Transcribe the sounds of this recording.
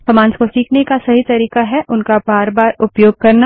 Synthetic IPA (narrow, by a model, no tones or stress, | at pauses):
fɐmãːnskosiːkʰnekasɐɦit̪ɐɾiːkaɦɛʔʊnkabaːɾbaːɾʊpjoːɡ̚kɐɾna